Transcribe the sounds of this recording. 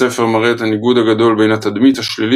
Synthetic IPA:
ɛfɛʁmaʁɛtaniɡudaɡadolbeɪnatadmitaʃlili

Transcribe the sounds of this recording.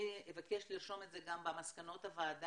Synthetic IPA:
ievakeʃliʁʃo̞me̞tzeɡambamaskano̞tavaːd

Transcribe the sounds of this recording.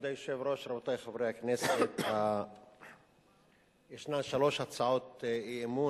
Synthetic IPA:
d̪ajoʃevɾo̞ʃɾabot̪ajχavɾehakneset̪a | jeʃnaʃalo̞ʃhat͡saʕot̪iemu

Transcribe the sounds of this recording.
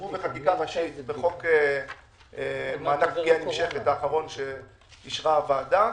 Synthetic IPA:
ubeχakikaaʃitbeχo̞ke | maːlakbɡianimʃeχet̪aːχaʁo̞nʃe | iʃʁavaːda

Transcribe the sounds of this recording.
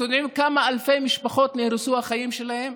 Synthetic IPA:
sonimkamaalfejmiʃpaχo̞t̪nehɾusuhaχajimʃe̞lahe̞m

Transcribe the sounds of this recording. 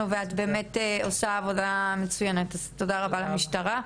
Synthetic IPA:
uveatbe̞ːmeteo̞saːvo̞damet͡sujenetaztodaʁabalamiʃtaʁa

